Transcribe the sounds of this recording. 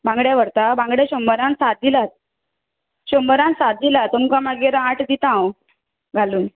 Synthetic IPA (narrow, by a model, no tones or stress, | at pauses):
bãŋɡɽjaʋəɾt̪abãŋɡɽjaɕəmbəɾãnsat̪̚d̪ilat̪̚ | ɕəmbəɾãnsat̪̚d̪ilat̪umkamaɡeɾaʈd̪it̪ãw | ɡʱaluːn